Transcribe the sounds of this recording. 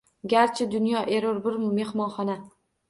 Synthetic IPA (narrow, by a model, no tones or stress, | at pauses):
ɡʲaɾt͡ʃʰɪd̪ʊnjɒʔe̞ɾoɾbʊɾːe̞hmɒnχɒna